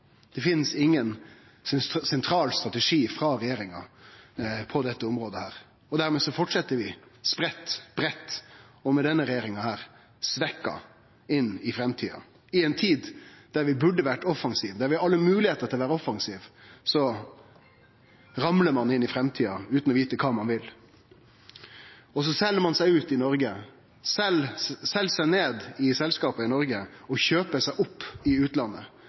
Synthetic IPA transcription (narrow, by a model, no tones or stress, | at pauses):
d̪̥ɛfɪnsɪŋːən | ssɛnt̪ʰɾɑːlst̪ɾʁɑt̪ɛʂiːfɾɑɾɛjeːɾɪŋɑ | pʰɔd̪ɛt̪ːəʊmɾoːd̪əhæːɾ | ɔd̪æɾmeːsɔfɔʈʂɛt̪ːəɾʋɪspɾɛt̪ːb̥ɾɛt̪ː | ɔmɛd̪ɛnːəɾɛjeːɾɪŋɑhæːɾ | sʋɛkːɑ̰ | ɪnːɪfɾɛmt̪ʰiːɑ̰ | ɪɛnt̪ʰiːd̪d̪̥æɾʋɪbʉɖəʋæʈɔfɑŋsiːʋd̪æɾʋɪhɑɑlːəmʉːlɪheːt̪əɾt̪ɪɔʋæːɾəɔfːɑŋsiːʋsɔ | ɾɑmləɾmɑnɪnːɪfɾɛmt̪ʰiːɑʉːt̪n̩ɔʋiːt̪əkʰɑːmɑnʋɪl | ɔs̬ɔsɛlːəɾmɑnsæɪʉːt̪ɪnɔɾɡə | sɛlsɛlsæɪneːd̪ɪsɛlskɑːpəɪnɔɾɡəɔçøːpəsæɪʔʊpːɪʉːt̪lɑnːə̰